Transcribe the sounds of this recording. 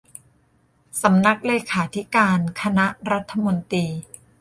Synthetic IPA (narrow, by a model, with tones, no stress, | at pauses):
sa˩˦mna˦˥k̚leː˧kʰaː˩˦t̪ʰi˦˥kaː˧nkʰa˧na˦˥ʔɾa˦˥t̪ʰːa˧mo˧nt̪iː˧